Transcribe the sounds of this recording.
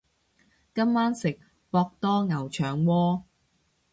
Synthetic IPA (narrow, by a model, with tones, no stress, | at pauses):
kɐ˥mːaː˥nsɪ˨k̚ | pɔː˧k̚t̪ɔː˥ŋɐ˨˩wt͡ʃʰœː˨˩ŋwɔː˥